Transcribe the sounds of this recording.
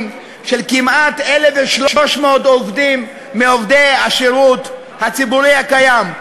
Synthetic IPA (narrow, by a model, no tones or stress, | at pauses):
m | ʃelkimat̪eleveʃloʃmood̪ovdimː | eovd̪ejaʃeʁut̪ | hat͡sibuʁihakajam